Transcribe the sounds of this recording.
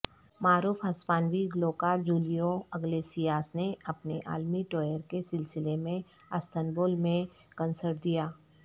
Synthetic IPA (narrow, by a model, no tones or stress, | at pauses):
maːɾuːfɦɐspaːnʋiɡloːkaːɾd͡ʒuːlijoɐɡlesijaːsneɐpneʔa̰ːlmiʈoːjəɾkesɪlsɪlemẽ | ɐst̪ənboːlmẽ | kənsəɾʈ̚d̪ijaː